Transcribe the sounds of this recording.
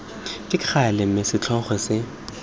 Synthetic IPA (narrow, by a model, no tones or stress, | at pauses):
kʼɪq͡χʰalɪm̩mesɪt͡ɬʰɔχɛsɪ